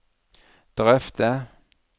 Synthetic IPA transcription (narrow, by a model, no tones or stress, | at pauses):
d̪̥ʁɛft̪ə